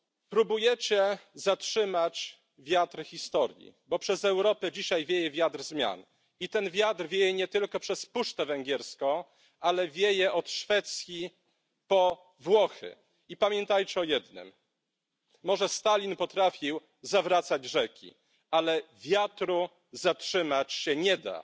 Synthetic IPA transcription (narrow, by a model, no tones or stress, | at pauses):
pɾubujɛt͡ɕɛzatʂɘmat͡ɕ | vʲjat̪ɾxʲist̪ɔɾjḭbɔpʂɛzɛwɾɔpɛd͡ʑiɕajvʲjejɛvʲjat̪ɾzmʲja̰n | it̪ɛnvʲjat̪ɾvʲjejɛɲɛt̪ɘlkɔpʂɛspuʂt̪ɛvɛŋɡʲjɛɾskɔ̃ | alɛvʲjejɛɔt̪ʂfɛt̪sʲji | pɔ | vwɔxɘ̰ | ipamʲjɛnt̪ajt͡ɕɛɔjɛd̪nɘ̰mː | ɔʐɛst̪alʲinpɔt̪ɾafʲiw | zavɾat̪sad͡ʑʐɛkʲḭ | alɛvʲjat̪ɾu | zatʂɘmat͡ɕɕɛɲɛd̪a̰